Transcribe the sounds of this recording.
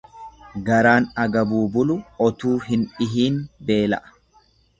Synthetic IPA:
ɡɐɾaːnɐɡɐbuːbʊlʊɔt̪uːɦɪnᶑɪɦiːnbe̞ːlɐ̰ʔɐ̥

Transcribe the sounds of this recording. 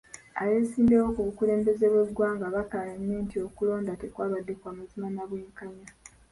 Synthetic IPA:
a̰jeːsiːmbewo̞kuβukule̞ːmbe̞ze̞βwe̞dwaːŋɡaβakaleɲːeːntio̞kulo̞ːndate̞kwaːβadːe̞kwaːmazimanaβweːŋkaɲa

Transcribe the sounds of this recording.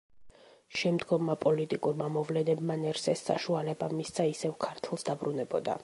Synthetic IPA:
ʃɛmd̪ɡɔmːapʼɔlit̪ʼikʼuɾmamɔvlɛnɛbmanɛɾsɛsːa̰ʃualɛbamist̪sʰaisɛvkʰaɾt̪ʰlˠsd̪abɾunɛbɔd̪a̰

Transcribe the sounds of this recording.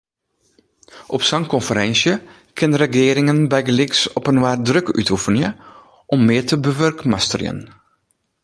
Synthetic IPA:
ʔɔpsɑŋkɔnfəɾɛnsjə | kʰɪnrəxɪːɾɪŋənbɛjɡlɪksɔpənʋaːr̚drøky̰tʰufənjə | ʔɔmːɪːtəbəʋørkmastərjə̰n

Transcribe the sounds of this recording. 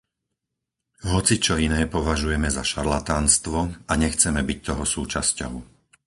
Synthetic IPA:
ɦɔt͡sit͡ʃɔinɛːpɔʋaʒujɛmɛzaʃaɾlat̪aːnst̪ʋɔaɲɛxt͡sɛmɛbic̚t̪ɔɦɔsuːt͡ʃascɔ̰ʊ

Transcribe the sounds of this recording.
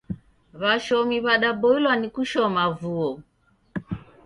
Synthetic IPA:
βaʃɔmiβaɗabɔilwanikuʃɔmavuɔ

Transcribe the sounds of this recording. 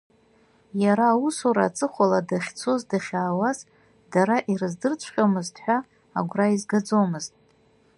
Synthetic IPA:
jaɾaːusoɾat͡sʼɨχʷaladaχʲt͡sʰo̞zdaχʲaːwaz | d̥aɾaʔirɨzdɨrt͡sʷʰχʲʼomɨztʼʰħʷᶣaː | ɡʷraizɡad͡zo̞mɨztʼ

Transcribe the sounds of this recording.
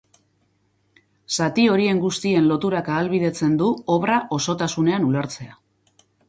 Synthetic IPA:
sat̪io̞ɾie̞ŋɡust̪ie̞nlo̞t̪uɾakaːlβið̞e̞t͡se̞nd̪uo̞βraʔo̞so̞t̪asune̞anuleɾt͡se̞a

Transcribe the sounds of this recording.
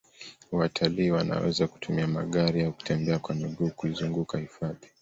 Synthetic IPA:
watʰaliːwana̰wɛ̰zaku̥tumiama̰ɠaɾiauku̥tʰɛmbɛakwamiɠuːkuizuŋɡukahifaði

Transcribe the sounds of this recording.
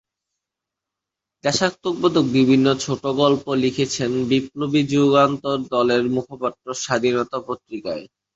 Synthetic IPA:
d̪ɛʃakt̪ːok̚bod̪ʱok̚bibʱinːot͡ɕʰoʈoɡɔlpolikʰet͡ɕʰenbiplobid͡ʑuɡant̪oɾd̪ɔleɾmukʰopat̪ːɾoʃad̪ʱinɔt̪apot̪ɾikae

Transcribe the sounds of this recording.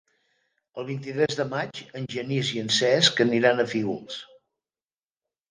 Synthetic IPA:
əlˠβ̞int̪it̪ɾɛzðəmat͡ʃənʲʒəniziənsɛskəniɾanəfiɣṵlˠs

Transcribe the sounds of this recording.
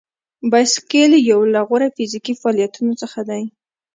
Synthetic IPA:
bajskeljawlaɣoɾafizikifaɑlijat̪unot͡səxad̪aj

